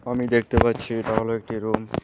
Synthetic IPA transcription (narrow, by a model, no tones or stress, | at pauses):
amid̪ek̚ʰt̪epatːɕʰieʈaɦoloek̚ʈiɾum